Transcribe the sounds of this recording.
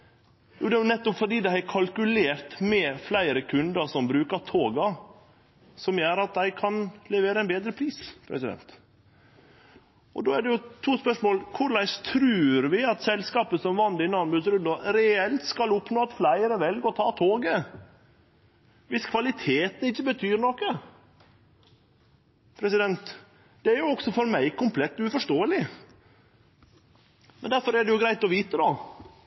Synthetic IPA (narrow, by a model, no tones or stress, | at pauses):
jṵːd̪ɛjʊnɛt̪ːɔpfɔɖ̪iːd̪æɪæɾkʰɑlkʉleːɾt̪mɛflæɪɾəkʰʉnd̪əsɔmbɾʉːkɑt̪ʰoːɡɑ | sɔmjøːɾɑt̪̚d̪æɪkʰɑnlɛʋeːɾəɛnbeːd̪ɾəpʰɾiːspʰɾɛ̰sɪd̪ɛ̰nt̪ | ʔɔd̪oːæɖɛjʊt̪ʰuːspœʂmoːlkʰʊɾlæɪst̪ʰɾʉːɾʋɪɑt̪sɛlskɑːpəsɔmʋɑnd̪ɪnɑnbʉːsɾʉnd̪ɔɾɛɛlt̪skɑlʊpːnoːɑt̪flæɪəɾəʋɛlɡəɔt̪ʰɑːt̪ʰoːɡə | ʋɪskʰʋɑlɪt̪ʰeːt̪nɪçːəbət̪ʰyːɾnɔkːə | pʰɾɛsɪd̪ɛnt̪ | d̪̥ɛæɾjʊɔksɔfɔɾmæɪkʊmpʰlɛt̪ːʉːfɔʂtoːəlɪ | mɛnd̪æɾfɔɾæɖɛjʊɡɾæɪt̪ɔʋiːt̪əd̪ɑ